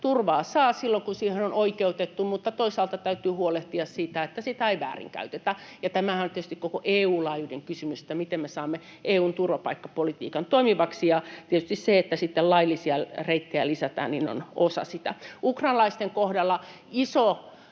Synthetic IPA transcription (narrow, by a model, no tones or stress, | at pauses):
t̪urʋɑːsɑːsilːoŋkunsiːhenonoikeut̪et̪ːumut̪ːɑt̪oisɑːlt̪ɑt̪æyt̪yːhuoleht̪iɑssiːt̪æet̪ːæsit̪æeiʋæ̰ːrḭŋkæ̰yt̪et̪æjɑt̪æmæhænt̪iet̪yst̪ikokoʔeːuːlɑːjudeŋkysymysĕ̥t̪ːæmit̪emmesɑːmːe | ʔeːuːnt̪urʋɑpɑikːɑpolit̪ḭːkɑnt̪oimiʋɑksijɑt̪iet̪y̥st̪isseet̪ːæsit̪ːellɑilːisiɑreit̪ːeælisæt̪ɑ̰ːnnino̰nosɑ̰sit̪æ̰ukrɑːnlɑist̪eŋkohdɑlːɑ | iso